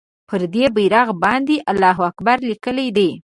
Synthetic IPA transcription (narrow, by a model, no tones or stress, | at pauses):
pəɾd̪ebijɾɑɣbɑnd̪eʔalːɑɦuakbaɾlikəled̪e